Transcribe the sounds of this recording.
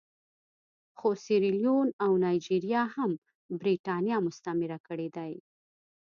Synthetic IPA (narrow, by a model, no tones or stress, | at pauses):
xosiɾilijonawnɑjd͡ʒiɾjɑham | bɾiʈɑnjɑmʊst̪amɪɾakəɽed̪aj